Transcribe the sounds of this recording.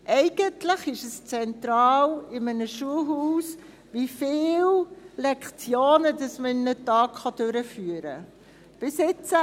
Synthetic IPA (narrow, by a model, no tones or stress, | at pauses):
ʔɛɪɡ̥əntləχɪʃəst͡sɛntɾɑːlɪmənəʃuəlɦuːs | ʋifɪːllɛkχt͡sjoːnədɑsməɪnːətɑːkχɑd̥øɾəfyːəɾə̰ | b̥ɪsɪt͡sə